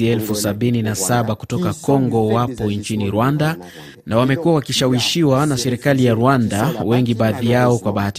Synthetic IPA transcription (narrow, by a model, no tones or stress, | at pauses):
iɛlfusaɓininasaɓaku̥tɔkakɔŋɡɔwapɔɲt͡ʃiniɾwanda | nawamɛkuwawakiʃawiʃiwanasɛɾikalijaɾuandawɛŋɡiɓaːðijaɔkwaɓahat